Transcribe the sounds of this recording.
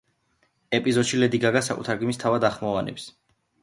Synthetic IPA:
ɛpʼizɔd̪ʃilɛd̪iɡaɡasakʼṵt̪ʰaɾɡimist̪ʰavad̪aχmɔvanɛ̰ps

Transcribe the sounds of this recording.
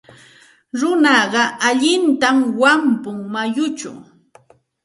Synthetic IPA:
ɾʊnɑɢɑʔaʎɪnt̪amwampʊŋmajʊt͡ʃa̰w

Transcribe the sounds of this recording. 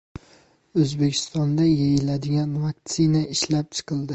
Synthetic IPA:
ɵzbe̞kʲʰɪ̥st̪ɒnd̪ajejɪlad̪ɪɡʲanvak̚t̪sɪnaɪʃlap̚t͡ʃʰɨ̥qʰɨlˠd̪ɪ

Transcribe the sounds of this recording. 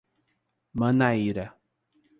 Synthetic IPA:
manaiɾa

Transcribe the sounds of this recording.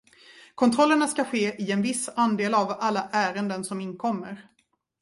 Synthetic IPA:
kʰɔnt̪ʰɾɔlːəɳaskaɧeːʔɪɛnvɪsːand̪eːlavalːaʔæːɾənd̪ənsɔmɪnːkʰɔmːəɾ

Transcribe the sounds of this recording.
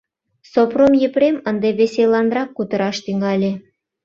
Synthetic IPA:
sopromjepɾemənd̪eβeselɑnrɑkːut̪ə̆ɾɑʃt̪yŋɑlʲe

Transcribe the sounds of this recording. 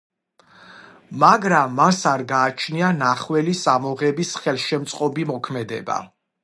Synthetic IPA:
maɡɾamːasaɾɡaːt͡ʃʰnianaχwɛlisamɔʁɛbisχɛlˠʃɛmt̪sʼqʼɔbimɔkʰmɛd̪ɛ̰ba̰

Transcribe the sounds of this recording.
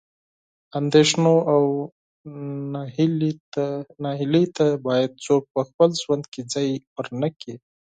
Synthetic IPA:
and̪eʃnoaw | nɑɦɪlet̪abɑjad̪̚t͡sok̚pəxpəlʒwand̪ked͡zɑjwəɾnəki

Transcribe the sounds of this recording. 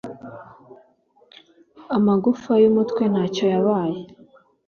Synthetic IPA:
amaɡufajumutkwe̞nhaːco̞jaβaːje

